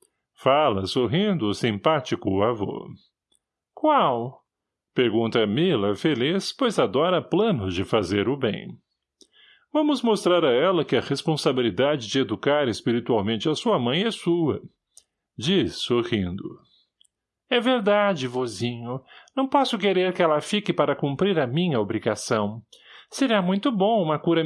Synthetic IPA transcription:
falɐsoɦĩnd̪ʊsĩpat͡ʃikʊavo̰ | kwaw | peɾɡũnt̪ɐmilɐfelispojzad̪ɔɾɐplɐ̃nʊd͡ʒɪfazeɾʊbḛ̃j̃ | vɐ̃mʊzmost̪ɾaɾɐɛlɐkɪɐʁespõsabilid̪ad͡ʒɪd͡ʒɪed̪ukaɾespiɾit̪uawmẽnt͡ʃɪɐsuɐmɐ̃j̃ɛsuɐ̰ | d͡ʒisːoʁĩnd̪ʊ | ɛveɾd̪ad͡ʒɪvozĩɲʊnɐ̃w̃pɔsʊkeɾeɾkɪɛlɐfikɪpaɾɐkũmpɾiɾɐmĩɲɐobɾiɡasɐ̃w̃seɾamũj̃t̪ʊbõũmɐkuɾɐ

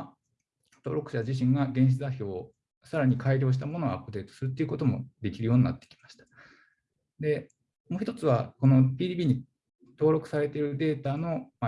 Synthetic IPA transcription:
t̪o̞ːɾo̞kɯ̟ɕad͡ʑiɕ̬ĩŋɡaɡẽ̞ɕi̥tt͡sɨzaçʲo̞ː | saɾaɲ̟ikʰaiɾʲo̞ːɕ̬it̪amo̞no̞apːɯ̟d̪e̞ːt̪o̥sɨɾɯ̟t̪̬ːeiɯ̟ko̞t̪o̞mo̞̰d̪e̞kʲiɾɯjo̞ːɲina̰t̪ːe̥kʲi̥maɕi̥t̪ḁ | d̪e̞ | mo̞ːçi̥t̪o̞t͡sɨβako̞no̞pʲiːd̪ʲiːbʲiːɲ̟i | t̪o̞ːɾo̞kɯ̟̥saɾe̞t̪eɾɯ̟d̪e̞ːt̪ano̞m

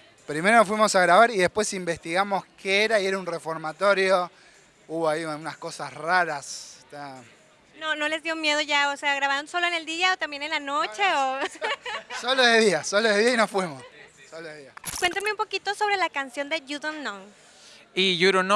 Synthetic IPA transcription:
pɾime̞ɾonofwimo̞saɣɾaβaɾiðe̞spwe̞simbest̪iɣamoskʰeeɾaie̞ɾaunrefo̞ɾmat̪o̞ɾjo̞ | uβoaiunasko̞sasraɾast̪a | no̞no̞le̞zðjo̞mje̞ð̞o̞ʝaose̞aɣɾaβaɾnso̞loene̞ld̪iaot̪ambje̞nenlano̞t͡ʃe̞o | soloðeðiasoloðeðiainosfwimo̞ssoloðeðiakwe̞nt̪anmeũmpokit̪oso̞βɾe̞lakansjo̞nd̪e̞ʝuðonːoŋ | iʝuɾon

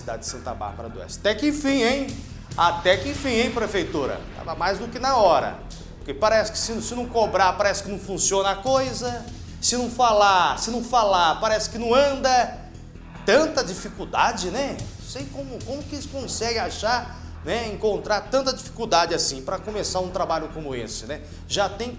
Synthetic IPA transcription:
sid̪a̰d͡ʒɪd͡ʒɪsɐ̃nt̪ɐ̰ba̰ɾbɐɾɐ̰d̪ʊɛ̰sat̪ɛkẽfĩj̃ẽj̃ | at̪ɛkɪ̃fĩẽj̃pɾefejt̪uɾɐ̰t̪a̰vɐmajzd̪ʊkɪnɐɔɾɐ̰ | poɾkepaɾɛsɪ̥kɪ̥sɪnsɪnɐ̃w̃kobɾaɾpaɾɛsɪ̥kɪnɐ̃w̃fũsiõnɐakojzɐ | sɪnɐ̃w̃falasɪnɐ̃w̃falapaɾɛsɪ̥kɪnɐ̃w̃ɐ̃nd̪ɐ | t̪ɐ̃nt̪ɐd͡ʒifikuwd̪ad͡ʒɪnɛñ | sejkõmʊkõmʊkeskõsɛɡɪ̃aʃaɾ | nɛẽŋkõnt̪ɾaɾt̪ɐ̃nt̪ɐd͡ʒifi̥kuwd̪ad͡ʒɪasĩpɾɐkomesaɾũt̪ɾabaʎʊkõmʊḛsɪnɛ | ʒat̪ẽj̃

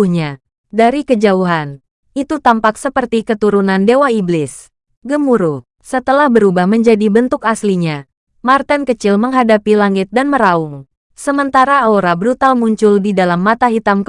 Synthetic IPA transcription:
ɲa | daɾikəd͡ʒauɦan | ʔit̪ut̪ampaksəpərt̪ikət̪uɾunandewaiblɪs | ɡəmuɾu | sət̪əlahbəɾubahməɲd͡ʒadibənt̪ʊkasliɲa | mart̪ankət͡ʃɪlməŋɦadapilaŋɪt̪̚danməɾaʊŋ | səmənt̪aɾaaoɾabɾut̪almuɲt͡ʃʊldidalamːat̪aɦit̪amk

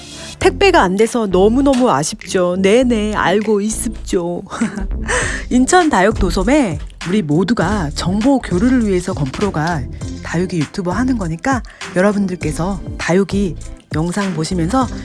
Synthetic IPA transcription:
tʰe̞k̚p͈e̞ɡaːnde̞sʰʌnʌmunʌmuaɕʰip̚t͡ɕ͈one̞ne̞a̰ɭɡois͈ɯp̚t͡ɕ͈o | int͡ɕʰʌntajʌk̚t͈osʰʌme̞ | uɾimoduɡat͡ɕʌŋbokjoɾuɾɯɭɥiɦe̞sʰʌkʌmpʰɯɾoɡatajuɡijutʰubaɦanɯnɡʌɲik͈ajʌɾʌbundɯɭk͈e̞sʰʌtajuɡijʌŋsʰaŋpoɕʰimjʌnsʰʌ

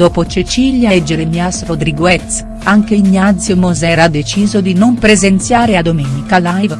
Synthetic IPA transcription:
d̥̪oːpot͡ʃet͡ʃiljaɛd͡ʒːeɾemjasrod̪ɾiɡwɛt̪s | aŋkeiɲːat̪szjomozɛːɾad̪et͡ʃiːzod̪inompɾezent̪sjaːɾead̪omɛːnikalajv

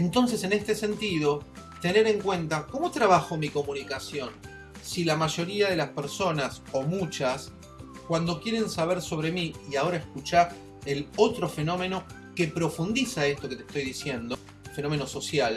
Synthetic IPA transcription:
ent̪o̞ns̬e̞se̞nest̪e̞se̞nt̪ið̞o̞ | t̪e̞ne̞ɾe̞ŋkwe̞nt̪ako̞mo̞t̪ɾaβ̞axo̞miko̞munikasjo̞n | silamaʒo̞ɾiað̞e̞laspeɾso̞nas | o̞mut͡ʃas | kwand̪o̞kje̞ɾe̞nsaβeɾso̞β̞ɾe̞miːao̞ɾaeskut͡ʃaɾ | elot̪ɾo̞fe̞no̞me̞no̞ | ke̞pɾo̞fund̪isaest̪o̞ke̞t̪est̪o̞jðisje̞nd̪o | fe̞no̞me̞no̞so̞sjal

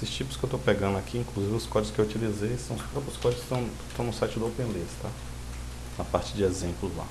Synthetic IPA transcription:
esɪst͡ʃipʊskɪewt̪opɛɡɐ̃nd̪ʊakʰiĩŋkluzivɪʊskɔd͡ʒɪʊskɪewut͡ʃilizejsɐ̃w̃ʊspɾɔpɾʊskɔd͡ʒɪʊst̪ɐ̃w̃st̪ɐ̃w̃nʊsajt͡ʃɪd̪ʊowpẽlist̪a | nɐpaɾt͡ʃɪd͡ʒɪezẽmplʊzla̰

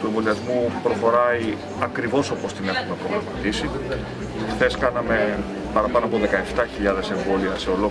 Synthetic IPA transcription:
t̪ue̞ɱvo̞liɐzmupɾo̞xo̞ɾɐi | ɐkɾivo̞so̞po̞st̪ine̞xume̞pɾoɣɾɐmɐt̪isi | xθe̞skɐnɐme̞ | pɐɾɐpɐnoɐpo̞ðe̞kɐe̞ft̪ɐçiʎɐðe̞se̞ɱbo̞liɐse̞o̞lo̞

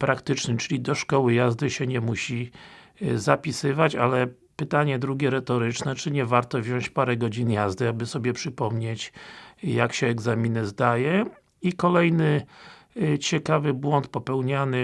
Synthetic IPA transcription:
pɾakt̪ɘt͡ʂnɘmt͡ʂɘlʲid̪ɔʂkɔwɘjazd̪ɘɕɛɲɛmuɕi | zapʲisɘvat͡ɕalɛ | pɘt̪aɲɛd̪ɾuɡʲjɛɾɛt̪ɔɾɘt͡ʂnɛt͡ʂɘɲɛvaɾt̪ɔvʑɔ̃ɕt͡ɕpaɾɛɡɔd͡ʑinjazd̪ɘabɘsɔbʲjɛpʂɘpɔmɲet͡ɕjakɕɛːɡzamʲinɘzd̪ajɛ | ikɔlɛjnɘ | t͡ɕɛkavɘbwɔnt̪pɔpɛwɲanɘ

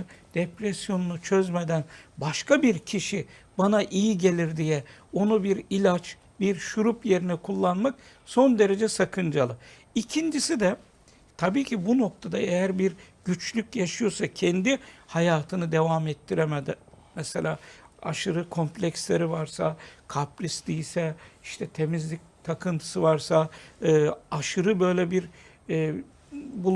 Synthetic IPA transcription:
d̪̥epɾesjo̞nunut͡ʃʰøzmed̪ænbaʃkabiɾcʰiʃibanaʔijiɟe̞lʲiɾd̪ijɛo̞nubiɾilʲat͡ʃ | biɾʃuɾupje̞ɾinɛkʰulˠːanmak̚so̞nd̪e̞ɾe̞d͡ʒɛsakʰɯnd͡ʒalˠɯ | icʰind͡ʒisid̪ɛ | t̪ʰabiːcʰibuno̞k̚t̪ʰad̪aejæɾbiɾɟ̥yt͡ʃlʲycjaʃɯjo̞ɾsacʰɛnd̪ihajaːt̪ʰɯnɯd̪e̞vamɛt̪ʰːiɾemed̪ɪmɛse̞lʲaːa̰ʃɯɾɯkʰo̞mplʲɛcslʲeɾivaɾsakʰaplʲisd̪ijisɛiʃt̪ʰɛt̪ʰe̞mizlʲic̚t̪ʰakʰɯnt̪ʰɯ̥sɯvaɾsaɯːaʃɯɾɯbø̞jlʲɛbiɾ | bulˠ

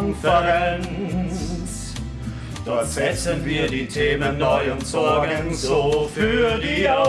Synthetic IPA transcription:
nfəɾɛn | s | d̥ɔtz̥ɛt͡sənviːɐdiːtʰeːmənːɔʏʊntsɔɐɡŋzofyːdia

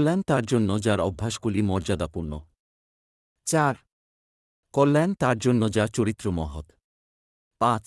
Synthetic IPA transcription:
lɛnt̪aɾd͡ʑonːod͡ʑaɾɔbʱːaʃɡulimɔɾd͡ʑad̪apuɾno | t͡ɕaɾ | kolːɛnt̪aɾd͡ʑonːod͡ʑaɾt͡ɕoɾit̪ːɾomɔɦot̪ | pãt͡ɕ

